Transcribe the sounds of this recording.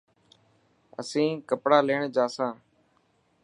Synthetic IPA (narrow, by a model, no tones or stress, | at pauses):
ə̰sĩːkəpɽaːleːɳd͡ʒaːsãː